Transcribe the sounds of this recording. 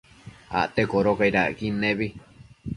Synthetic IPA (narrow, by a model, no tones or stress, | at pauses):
a̰ʔt̪ekoɾokajɾaʔkinẽβi